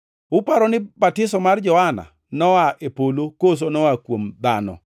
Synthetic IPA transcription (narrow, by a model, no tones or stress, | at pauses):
ʊpaɾɔnɪbatɪsɔmard͡ʒɔhana̰ | nɔwaʔepolokos̬onɔwakwomd̪a̰nɔ̰